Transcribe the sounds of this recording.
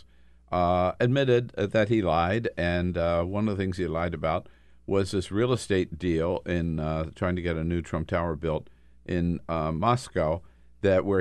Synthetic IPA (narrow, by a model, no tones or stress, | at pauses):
ɨd̚mɪɾɪd̪̚ðɨt̚hilaɪdɨ̃nwʌ̃nʌvðəθɪ̃ŋz̥ilaɪɾɨbaʊt̚ | wʔʌzðɪsɹilˠəsteɪt̚d̥ilˠɪ̃ntʰɹ̥aɪɪ̃ŋtʰɨɡɛɾɨnʉtʰɹ̥ʌ̃mp̚tʰaʊə˞bɪlˠt | ʔɪ̃nmɑskaʊ | ðɨʔ̚wə˞